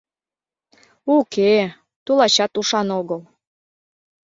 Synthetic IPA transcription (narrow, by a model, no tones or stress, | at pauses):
uke | t̪ulɑɕɑt̪uʃɑnoɣəl